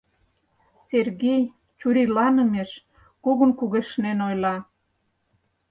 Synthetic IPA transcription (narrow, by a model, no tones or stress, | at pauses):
serɣej | t͡ɕuɾilɑnə̆meʃ | kuɣə̆nkuɣeʃnenojlɑ